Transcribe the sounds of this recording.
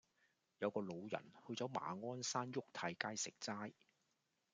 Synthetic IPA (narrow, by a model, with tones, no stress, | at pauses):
jɐ˨˧wkɔː˧lo˨˧wjɐ̰˨˩nhɵ˧t͡sɔː˨˥wma̰ː˨ŋɔː˥nsaː˥njʊ˥k̚t̪ʰɐ˨˧jkaː˥jsɪ˨k̚t͡saː˥j